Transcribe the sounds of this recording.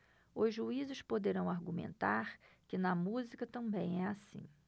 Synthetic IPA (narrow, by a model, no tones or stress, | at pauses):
ʊzʒuizɪʃpod̪eɾɐ̃w̃aɾɡumḛ̃nt̪aɾ | kɪnɐmuzikɐt̪ɐ̃mbẽj̃ɛasḭ̃